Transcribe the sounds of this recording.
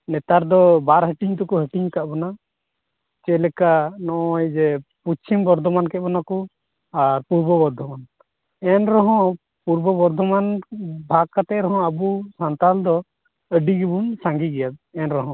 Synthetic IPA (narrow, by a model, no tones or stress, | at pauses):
nɛt̪aɾd̪ɔbaɾɦəʈiɲt̪ɔkɔɦəʈiɲkaʔbɔna | t͡ʃɛlɛkanɔʔɔjd͡ʒɛput͡ʃʰimbɔɾd̪ʱɔmankɛbɔnakɔ | aɾpuɾbɔbɔɾd̪ʱɔman | ɛnɾɔɦɔ̃ | puɾbɔbɔɾd̪ʱɔmanbʱakat̪ɛʔɾɔɦɔ̃abusant̪ald̪ɔ | əɖiɡibunsaŋɡiɡɛjad̪̚ɛnɾɔɦɔ̃